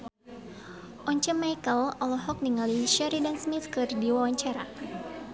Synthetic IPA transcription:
ʔɔɲt͡ʃəmajkəlɔlɔɦɔk̚niŋaliʃaɾidansmit̪̚kərdiwawaɲt͡ʃaɾa

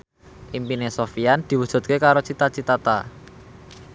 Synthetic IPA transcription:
ʔimpinesofijand̪̥i̤wud̥ʒ̥ṳt̪̚kekaɾot͡ʃit̪at͡ʃit̪at̪a

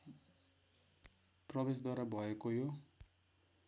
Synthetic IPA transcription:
prɔbesd̪waɾabʱɔekojo

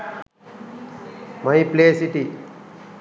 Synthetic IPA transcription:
mɐjpleːsiʈi

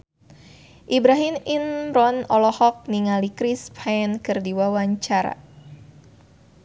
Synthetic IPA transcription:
ʔibɾaɦɪmɪnrɔnɔlɔhɔk̚niŋalikɾɪspʰankɨrdiwawaɲt͡ʃaɾa̰

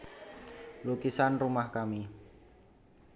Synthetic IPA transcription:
lukisanrumahkami

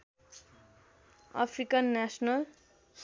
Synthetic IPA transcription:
a̰pʰrikʌnːasnʌl

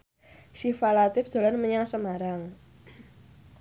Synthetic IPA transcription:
ʃifalat̪ɪfd̪̥a̤lanməɲaŋsəmaɾaŋ

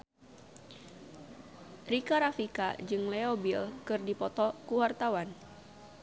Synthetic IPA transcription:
rikaɾafika̰d͡ʒɨŋlɛobilkɨrdipɔt̪ɔkuwart̪awan

